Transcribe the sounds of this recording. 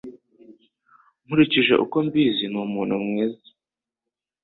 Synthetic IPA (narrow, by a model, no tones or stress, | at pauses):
m̥uɾiciʒe̞̰ʔṵko̞mbiːzimumuːnhumŋiːza